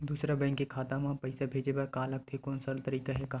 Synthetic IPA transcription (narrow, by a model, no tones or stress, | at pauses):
d̪uːsɾabɐɪnkekʰaːt̪ãmãpɐɪsabʱeːd͡ʒebɐɾkaːlɐɡ̚t̪ʰekoːnsəlt̪əɾiːkaɦɛka